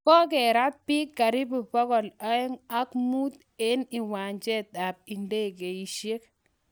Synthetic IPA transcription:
kɔ˦k̬ɛ˨ɾa˦t̚pi˦kːa˨ɾi˦bu˨pɔ˦kɔ˨la˦ɛ˦ŋa˦kmu˦t̪ | e˦ni˨wa˨ɲt͡ʃɛ˦ta˨p̚i˨nde˦˨k̬e˨i˨ʃe˦k̚

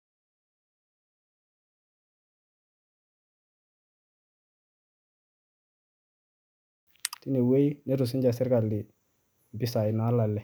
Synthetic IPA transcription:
ti˦ne˨we˦jne˦ɾu˨s̬i˦ɲd͡ʒa˨si˦ɾka˨li˨ | bi˦sa˨i˨na˨˦la˨lːɛ˨

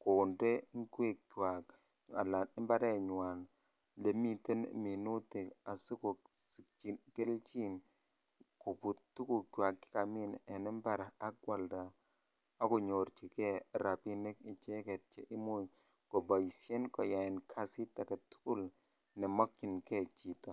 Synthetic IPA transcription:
ko˨nde˦ɪ˦ke˦˨kkwa˨k | a˨la˨ɪ˦mba˦ɾɛ˦ɲwa˨n | le˨mi˦˨te˦n̰˨mi˨nu˦ti˨a˨so˦ko˨ | ke˦lt͡ʃi˦n | ko˨pu˨tːu˦ku˨kwa˨kːɪ̥˦ka˨mɪ˦nɛ˨nɛ˦mba˦ɾa˨a˦ɡwa˨lda˨ | a˦ko˨ɲo˨ɾt͡ʃi˨kɛ˦ɾa˨pi˦ne˦ki˨t͡ʃe˦kɛ˨t̚t͡ʃɛ˦ʔɪ˦mo˦j | kɔ˨bɔ˨jsje˦nkɔ˨ja˨ɪ˨nkʰa˦sɪ˦ta˨ka˨tu̥˦ku˦˨l | nɛ˨mɔ˦kt͡ʃɪ˨nkɛ˦t͡ʃi˨ta˨

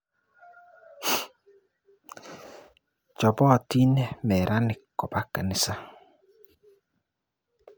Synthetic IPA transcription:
d͡ʒɔ˨bɔ˦˨ti˦nɛ˦mɛ˨ɾa˦nɪ˨kɔ˨ba˦ka˨nɪ˦sa˦

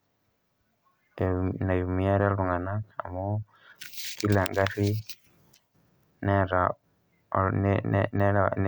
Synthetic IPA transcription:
na˨ju˨mu˨ja˦ɾa˦lu˨ŋa˨na˦a̰˨mo˦ | ki˦la˨ŋɡa˦ʃi˦ | neɾa | nnen

